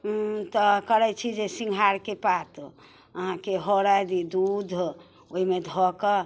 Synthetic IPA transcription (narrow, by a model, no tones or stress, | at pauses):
t̪ɔkəɾɛt͡ʃʰid͡ʒesĩŋɡʱaɾkepat̪ | əɦãkeɦɔɾajd̪id̪ud̪ʱ | oɦimed̪ʱɔkə